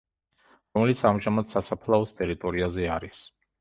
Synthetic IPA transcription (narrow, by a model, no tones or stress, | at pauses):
ɾɔmɛlit̪sʰamʒamad̪sasapʰlˠaɔst̪ʼɛɾit̪ʼɔɾiazɛaɾis